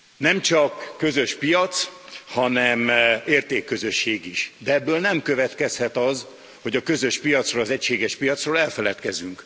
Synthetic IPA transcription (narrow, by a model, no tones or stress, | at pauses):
nɛmt͡ʃɒkːø̞zø̞ʃpijɒt̪shɒnɛmeːrt̪eːkːø̞zø̞ʃːeːɡiʃd̪ɛɛbːøːlnɛmkø̞vɛt̪kɛshɛt̪ɒz | ho̞ɟɒkø̞zø̞ʃpijɒt̪srolɒzɛcʃeːɡɛʃpijɒt̪sroːlɛlfɛlɛt̪kɛzyŋk